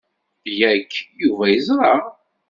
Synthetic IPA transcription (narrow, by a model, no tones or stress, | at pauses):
jækːjuvæjəzˤɾˤɑʁ